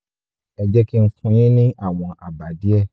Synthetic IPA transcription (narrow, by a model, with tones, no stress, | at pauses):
ɛ˨d͡ʒɛ˦ki˦ŋ̩˦kʰũ˧j̃ĩ˦nĩ˦ʔa˦˨w̃ɔ̃˧ʔa˨ba˨di˦ɛ˦˨